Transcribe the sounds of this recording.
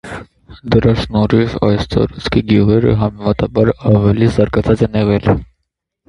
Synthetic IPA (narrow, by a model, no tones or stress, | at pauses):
d̪əɾɑsnɔɾivɑ̰jst̪ɑ̰ɾɑt͡sʰkʰiɡjuʁɛɾə̰ɦɑmɛmɑt̪ɑbɑɾɑvɛlizɑɾɡɑt͡sʰɑt͡sɛnɛʁɛl